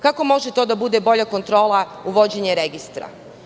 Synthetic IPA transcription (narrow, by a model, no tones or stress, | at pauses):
kako̞mo̞ʒet̪o̞d̪abud̪ebo̞ʎako̞nt̪ɾo̞ːlˠauʋo̞d͡ʑeɲeɾeɡist̪ɾa̰